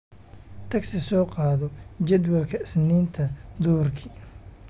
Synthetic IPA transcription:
t̪ʰɐɡsɪsɔːqɑːðɔd͡ʒɛd̪wɐlkʰɐɪsniːnt̪ʰɐd̪ɔːrkʰi

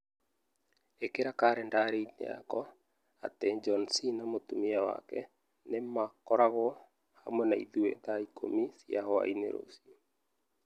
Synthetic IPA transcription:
ekeɾakaɾɛndaɾeinḛa̰kɔ | a̰tɛd͡ʒɔnsinamotumiawa̰kɛ̰ | nemakɔɾaɣɔ | hamɛnaḭðuḛt̪aikʰo̰misjahɔa̰inḛɾo̰si

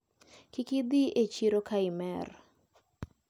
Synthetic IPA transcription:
kɪkɪd̪iʔet͡ʃiɾokaɪmɛr

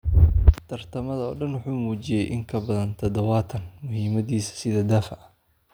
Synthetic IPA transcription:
t̪ʰɐrt̪ʰɐmɐðɐɔːɖɐnwʊħuːmuːt͡ʃɪjɛjʔɪŋkʰɐbɐðɐnt̪ʰɐd̪ɐwɑːt̪ʰɐnmʊhiːmɐðiːsɐ̥sɪðɐd̪aːfɐɐ

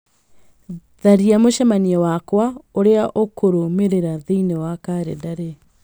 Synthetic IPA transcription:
ðaɾiamoʃɛmaniɛwakwaoɾeaʔokʰoɾomeɾeɾaðiinewakaɾḛdaɾe

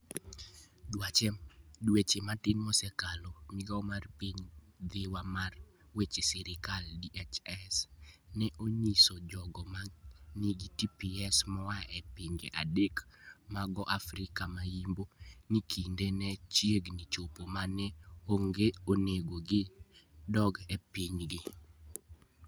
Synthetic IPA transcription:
dwat͡ʃɛmdwet͡ʃematɪnɔsɛkalɔmɪɡaomarpiɲd̪ewamarwet͡ʃesɛɾɪkaldiʔɛt͡ʃɛsnɛʔoɲisod͡ʒɔɡɔmaniɡitipiɛsmɔwaɛpiɲɡḛʔadekmaɡɔʔafɾɪkamajimbonikʰindenɛt͡ʃjeɡnit͡ʃopomanɛoŋɡeoneɡoɡɪdɔɡɛpiɲɡɪ

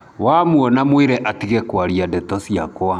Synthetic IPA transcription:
wamuɔnamweɾɛʔatiɣɛkwaɾiadɛtɔsiakwa

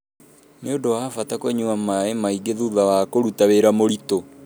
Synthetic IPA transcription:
neodowaːfatakwɛɲuamaemaiɡeðuðawakoɾutaweɾamoɾito

